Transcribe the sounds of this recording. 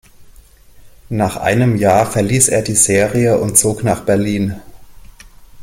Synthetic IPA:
naːχʔa̰ɪnəmjaːɐfɛɐliːsʔḛːɐdiːzeːʁiəʔʊ̰ntt͡soːknaːχb̥ɛɐliːn

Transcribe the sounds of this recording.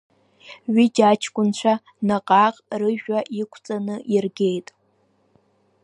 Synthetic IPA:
ɥid͡ʒat͡ʃʰkʷʼʊnt͡ɕʷʰa | naqʼaqʼrɨʒᶣaʔikʷʰt͡sʼanɨʔirɡʲe̞jtʼ

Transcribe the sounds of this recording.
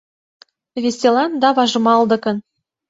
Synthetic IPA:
vʲesʲt̪ʲelˠɑnd̪ɑvɑʒɤ̆mɑlˠd̪ɤ̆kɤ̆n

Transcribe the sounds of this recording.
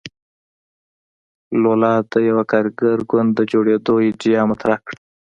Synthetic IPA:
lolɑd̪əjawakɑɾɡaɾɡʊnd̪ːəd͡ʒoɽed̪ojed͡ʒijɑmat̪ɾakɽ

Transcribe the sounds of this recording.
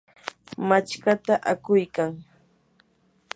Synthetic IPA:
mat͡ʃkat̪aʔakʊjkaŋ

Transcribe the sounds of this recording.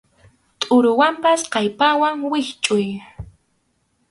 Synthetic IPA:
t̪ʼʊɾʊwampasqɑjpawaŋwɪχt͡ʃʼʊj

